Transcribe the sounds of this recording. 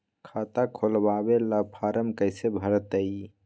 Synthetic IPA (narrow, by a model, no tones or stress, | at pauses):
kʰat̪akʰolbabelapʰaɾəmkəɪsebʱəɾət̪əj